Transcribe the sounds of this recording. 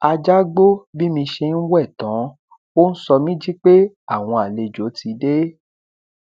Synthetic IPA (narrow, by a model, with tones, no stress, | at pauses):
a˧d͡ʒa˦ɡ͡bo˦bi˦mĩ˧ʃe˧n̩˦wɛ˦˨tã˨˦ | o˦n̩˦sɔ˧mĩ˦d͡ʒi˦k͡pe˦ | a˦˨w̃ɔ̃˧a˨le˧d͡ʒo˨˦ti˧de˦